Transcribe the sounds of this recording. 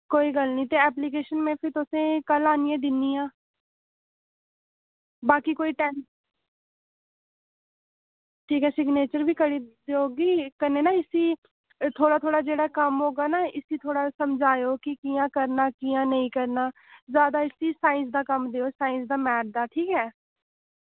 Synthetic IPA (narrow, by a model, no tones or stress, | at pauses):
koːiːɡəlnĩːt̪eːɛːpliːk̬eːʃənmẽːpʰɪɾt̪ʊsẽːkəlaːniːẽːd̪ɪnːiːãː | baːkiːkoːiːʈɛːn | ʈʰiːkɛːsɪɡneːt͡ʃəɾbiːkəɽiːd̪oːɡiːkəɾneːnaːɪsiː | t̪ʰoːɽaːt̪ʰoːɽaːd͡ʒeːɽaːkəmɦoːɡaːnaːɪsiːt̪ʰoːɽaːsəmd͡ʒaːjoːkɪkiːjãːkəɾnaːkijãːnəĩːkəɾnaː | zjaːd̪aːɪsiːsaːɪ̃ns̬d̪aːkəmd̪eːoːsaːɪ̃nsd̪aːmɛːʈ̚d̪aːʈʰiːkɦɛː